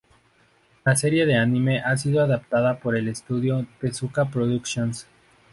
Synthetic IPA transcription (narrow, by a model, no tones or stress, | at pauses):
lase̞ɾje̞ðe̞anime̞ʔas̬iðoaðap̚t̪aðapo̞ɾe̞le̞st̪uðjo̞p̪e̞sukapɾoðuksjons